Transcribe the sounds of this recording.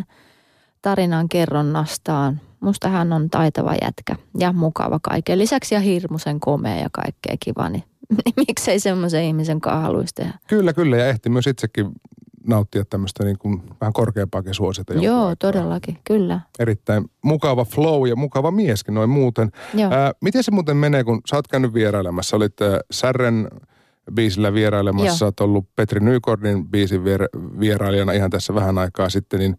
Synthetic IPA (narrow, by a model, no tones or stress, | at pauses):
t̪ɑrinɑŋkerːonːɑst̪ɑːnmust̪ɑhænːont̪ɑit̪ɑʋɑ̰jæ̰t̪kæjɑmukɑ̰ʋɑkɑ̰ikːelisæksjɑhirmuseŋkomḛɑ̰jɑ̰kɑ̰ikːḛːkiʋɑ̰ːni | nmikseisemːoseihmiseŋkɑ̰ːhɑ̰lṵist̪ḛhækylːækylːæjɑeht̪imyøsit̪sekːinɑut̪ːiɑt̪t̪æmːøəst̪æniːŋkunʋæhæŋkorkeːmpˑɑːkisuosit̪ːɑjojoːt̪odelːɑkikylːæeɾit̪ːæinmukɑʋɑfloujɑmukɑʋɑmieskinoimmuːt̪enoːmit̪esemuːt̪emmeneːkunsɑːt̪kæynːyʋʋierɑilemɑsːɑolit̪ːsærːen | biːsilːæʋieɾɑilemɑsːsɑːt̪olːupet̪rinyːkorninb̥iːsiʋierʋierɑiliɑnɑihɑnt̪æsːæʋæhænɑikɑːsit̪ːenin